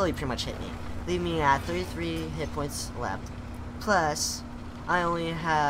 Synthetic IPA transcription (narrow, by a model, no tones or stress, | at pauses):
ɪlˠipʰɹ̥ɪɾimʌt͡ʃhɪ̰ʔ̚mḭ | livmiət̪̚θɜ˞ɾiθɹiɦɪt̚pʰɔ̃ɪ̃ntslɛ̰ft | pʰl̥ʌs | ʔaɪõʊ̃nliə